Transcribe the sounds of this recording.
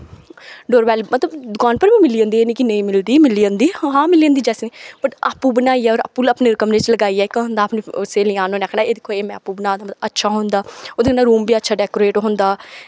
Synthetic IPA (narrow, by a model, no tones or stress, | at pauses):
ɖoːɾbɛːlmət̪ləbd̪ʊkaːnpəɾbiːmɪliːə̃ːnd̪ienikɪnəĩːmɪld̪iːmɪliːə̃nd̪iːɦãːmɪliːə̃nd̪iːd͡ʒɛːsniːb̥əʈapːuːbənaːiːɛɔːɾa̰pːuːləpneːɾɪkəmɾet͡ʃləɡaːiːɛːɪkːɦʊ̃nd̪aːpneʊseːlɪãːnõːnaːkʰɳaːeːd̪ɪkʰːoːeːmɛ̃ːəpːuːbənaːd̪aːət̪əətːʃʰaːɦõːnd̪aːoːd̪naːɾuːmbiːətːʃʰaːɖɛːkoːɾeːʈɦõnd̪aː